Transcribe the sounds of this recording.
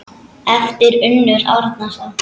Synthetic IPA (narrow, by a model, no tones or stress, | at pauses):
ɛft̪ɪɾʏnːʏɾa̰ːwɾat̪nasa